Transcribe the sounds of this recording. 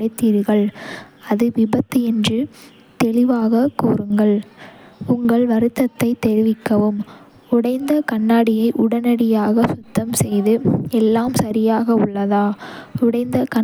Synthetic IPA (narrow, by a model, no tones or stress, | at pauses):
ɐɪt̪ːiːɾɣɐɭ | ɐðɯʋɪbɐt̪ːɯɛndrɯ | t̪ɛɭɪʋaːɣɐkuːɾɯŋɡɐɭ | ʊŋɡɐɭʋɐɾɯt̪ːɐt̪ːɐɪt̪ɛɾɪʋɪkːɐʋɯm | ʊɽɐɪnd̪ɐkɐɳːaːɽɪjɐɪʔʊɽɐnɐɽɪjaːɣɐsʊt̪ːɐmsɛjðɯɛlːaːmsɐɾɪjaːɣɐʊɭːɐðaːʊɽɐɪnd̪ɐkɐ